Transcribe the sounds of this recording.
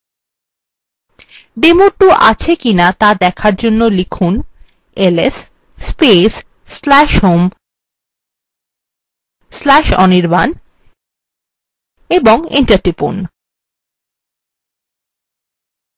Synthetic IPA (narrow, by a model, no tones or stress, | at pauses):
ɖemoʈuʔa̰t͡ɕʰekinat̪ad̪ɛkʰaɾd͡ʑonːolikʰun | elesː | pesː | lɛʃɦom | slɛʃɔ̰niɾban | eboŋḭɳʈaɾʈipun